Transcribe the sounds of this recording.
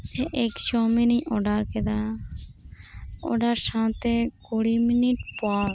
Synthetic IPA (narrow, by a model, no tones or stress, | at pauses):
eʔɪkʃoːmiːnĩːʔoːɖaːɾked̪aː | o̰ːɖaːɾsãːt̪eːkoːɽiːmɪniʈpaːl